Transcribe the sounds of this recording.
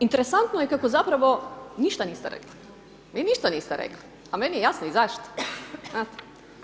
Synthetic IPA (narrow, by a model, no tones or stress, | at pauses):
int̪eɾesant̪nojekakozapɾaʋo̞niʃt̪aniːst̪eɾḛkli̥ | ʋiːniʃt̪aniːst̪eɾḛkli | amenijejasnoizaʃt̪o̥naːt̪e̥